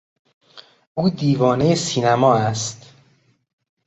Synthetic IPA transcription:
ʔuːd̪iːvɒːnejesiːnæmɒːæst̪

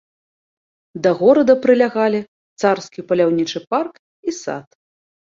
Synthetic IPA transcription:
d̪ɐɣɔɾɐd̪ɐpɾɨlʲaɣalʲi | t̪sarskʲipɐlʲawnʲit͡ʂɨpark | isa̰t̪

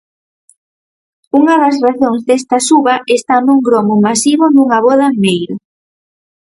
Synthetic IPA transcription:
uŋɐðɐs̬raθoŋzd̪est̪ɐsuβɐʔest̪anuŋɡɾɔmʊmasiβʊnuŋɐβɔðɐmejɾʊ

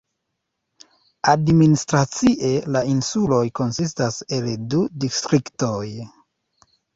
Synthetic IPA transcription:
administɾat͡siʔe̞lainsulo̞jko̞nsis̬tase̞ldudistɾiktoj

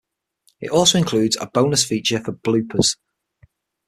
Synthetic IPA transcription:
ɪ̰tɔˑlˠsoʊɪ̃nkʰl̥ʉːdz̥ə̰b̥õʊnəsfiˑt͡ʃəfəb̥lʉˑpʰəz̥

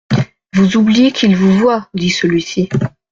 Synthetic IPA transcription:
vuzublijekʰilvuvwad̪isəlɥisi

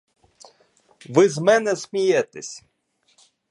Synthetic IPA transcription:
ʋɪzmɛnɛsʲmʲijɛt̪esʲ

